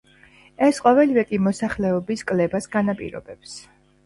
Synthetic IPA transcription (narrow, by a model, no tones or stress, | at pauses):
ɛsqʼɔvɛlivɛkʼimɔsaχlɛɔbiskʼlɛbasɡanapʼḭɾɔ̰bɛps